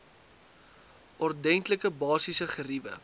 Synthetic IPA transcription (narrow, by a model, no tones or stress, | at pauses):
ʔɔrdɛŋtləkəbɑːsisəχəɾivə̰